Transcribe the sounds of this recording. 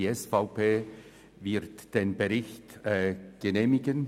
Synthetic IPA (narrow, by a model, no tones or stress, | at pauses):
iɛsfaʊpʰeː | vɪʁtd̥eːnbəʁɪçtɛɡ̥əneːmɪɡən